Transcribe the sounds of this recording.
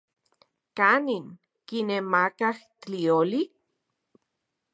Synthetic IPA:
kaniŋ | kinemakahtioli

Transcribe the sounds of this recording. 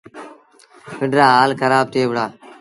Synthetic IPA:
pɪɳɖɾaːɦaːlkʰəɾaːb̚t̪ʰeːʋɽaː

